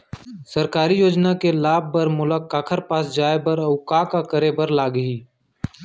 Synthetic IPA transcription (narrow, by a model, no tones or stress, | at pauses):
səɾkaːɾijoːd͡ʒnakelaːb̚ːəɾmʊləkːaːkʰəɾpaːsd͡ʒaːebəɾəʊkaːkakəɾebəɾlaːɡɦiː